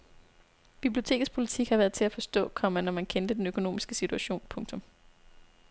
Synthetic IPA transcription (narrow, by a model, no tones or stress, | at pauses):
b̥ib̥lijo̝t͡sʰe̝̰ɡ̥ð̩ˠspʰo̝lit͡sʰiɡ̥hɑ̈ʋæɐðˠt͡sʰe̝læfɒ̽sd̥ɔ̰̽ːkʰɒ̽m̰ɐnɒmænkʰend̥əd̥enøkʰo̝no̝̰ːmisɡ̥əsit͡sʰuæɕo̝̰ːnpʰɔ̽ŋt͡sʰɔ̽m